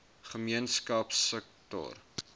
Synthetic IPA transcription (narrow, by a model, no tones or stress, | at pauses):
χəmiənskɐpsək̚tɔ̰r